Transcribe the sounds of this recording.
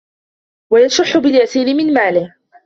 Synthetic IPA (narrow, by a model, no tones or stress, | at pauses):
wajasʊħːʊbɪljasiːlɪmɪnmaːlɪh